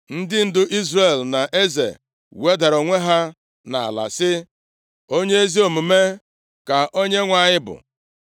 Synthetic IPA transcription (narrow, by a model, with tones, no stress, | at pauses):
n̩˦dɪ˦n̩˦dʊ˦ʔi˦zre˦˨lna˨ʔe˦zḛ˨ | we˦da˨ɾo˨ŋʷe˦ɦa˦ | na˨a̰˨la̰˨sɪ˦ | o˦ɲe˦e˦zi˦o˨mu˨me˦ | ka˨ʔo˦ɲe˦ŋʷa˦˨ɲɪ˦bʊ̰˨